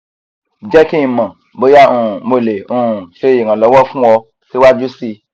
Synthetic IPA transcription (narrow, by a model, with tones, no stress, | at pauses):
d͡ʒɛ˦kĩ˦ĩ˧mã˨ | bo˨˦ja˦ũ˦˨mo˨le˨ũ˦˨ʃe˦i˨ŋã˨lɔ˨˦wɔ˦fũ˦ɔ˧ | si˦wa˦d͡ʒu˦si˦˧